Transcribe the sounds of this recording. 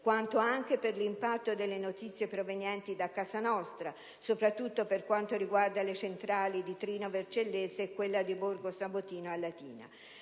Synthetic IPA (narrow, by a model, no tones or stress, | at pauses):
kwant̪oaŋk̟eperlimpat̪ːod̪elːenot̪it̪sːjepɾovenjɛnt̪id̪akːasanɔst̪ɾa | sopɾat̪ːut̪ːoperkwant̪oɾiɡward̪alet͡ʃent̪ɾaːlid̪it̪ɾiːnovert͡ʃelːeːzekwelːad̪iborɡosabot̪iːnoalːat̪iːna̰